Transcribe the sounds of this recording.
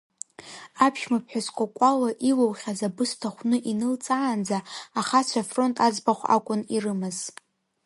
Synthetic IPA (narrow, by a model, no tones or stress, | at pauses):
apʰʃmapʰħᶣaskʷʼakʷʼalaʔilawχʲazabɨstʰaχʷnɨʔinɨlt͡sʼaːnd͡zaːχat͡ɕʷʰafro̞ntʼad͡zbaχʷa̰kʷʼʊnirɨmɨz̥